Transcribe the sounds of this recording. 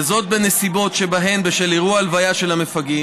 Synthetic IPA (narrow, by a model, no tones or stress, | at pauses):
zo̞t̪̚benesibo̞tʃe̞baɦe̞mbeʃeliʁualvajaʃe̞lhamefaɡi